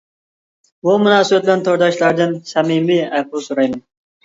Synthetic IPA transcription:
bumunɑːsɨbæt̪̚bɪlɛnt̪ʰoɾd̪ɑʃlˠɑɾd̪ɨnsɛmimiæp̚usuɾɑjmɑn

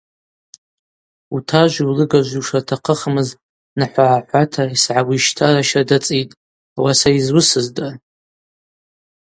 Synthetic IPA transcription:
utʰaʒʷiwlɨɡaʒʷiʂatʰaqʰəχmɨz | naħʷaʕaħʷatʰaisʕawʷiʃtʰaɾaʃadat͡sʼitʼ | awasaizwʊsɨzda

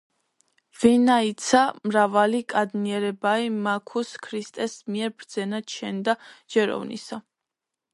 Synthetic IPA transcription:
vinait̪sʰamɾavalikʼad̪niɛɾɛbaimakʰuskʰɾist̪ʼɛsmiɛɾbɾd̪zɛnad̪ʃʰɛnd̪ad͡ʒ̥ɛɾɔ̰vnḭsa

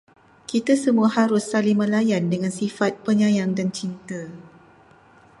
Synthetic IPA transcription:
kit̪asəmũahaɾʊsːalimə̃lajandəŋãnsifat̪̚pəɲãjaŋdant͡ʃint̪ə

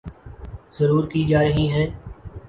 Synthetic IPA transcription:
zəɾuːɾkiːd͡ʒaːɾəɦiɦɛ̃ː

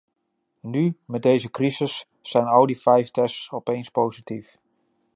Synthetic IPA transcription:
nymɛt̚dejzəkrizəsː | ɛjnɑlˠdifɛjftɛstsɔpejnspowzitif

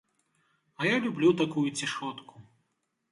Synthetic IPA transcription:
ɐjalʲublʲut̪akujut͡sʲiʂɔt̪ku̥

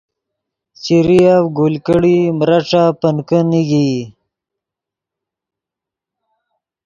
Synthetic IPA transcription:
t͡ɕiɾijawɡolkəɽimɾaʈ͡ʂapənkəniɡi

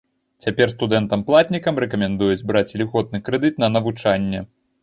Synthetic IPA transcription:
t͡sʲapʲɛrst̪ud̪ɛnt̪ɐmplˠat̪ʲnʲikɐmrɛkɐmʲɛnd̪ujud͡zʲbɾat͡sʲlʲiɣɔt̪̚nɨkɾɛd̪ɨt̪̚nɐnɐvut͡ʂanʲːɛ

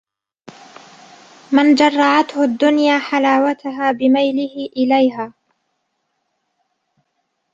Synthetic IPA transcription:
mɪnd͡ʒɑrˤːɑʕat̪hʊd̪ːʊnjaːħalaːwat̪ʊɦaːbɪmajlɪhɪʔɪlajɦaː

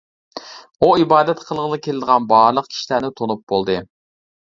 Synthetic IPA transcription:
uibɑːd̪ɛt̪qʰəlˠəʁənɨkʲʰelɪd̪əʁɑnbɑɾlˠəq̚kʲʰi̥ʃilænɪt̪ʰonup̚bolˠd̪ɨ

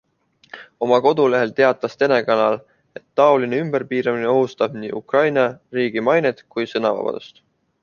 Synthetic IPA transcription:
o̞mɑko̞d̪̥ule̞ɦe̞lt̪e̞ɑt̪ːˑɑst̪e̞ne̞kɑnɑl | e̞t̪ːɑo̞lineymb̥e̞rpiːɾɑmineo̞ɦust̪ɑb̥nḭːʔukrɑjnɑriːɡ̥imɑjnet̪kujsɤnɑvɑ̰b̥ɑ̰d̪̥ust̪

